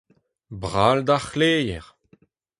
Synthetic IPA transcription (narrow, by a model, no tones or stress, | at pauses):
bʁald̪aχleːjɛʁ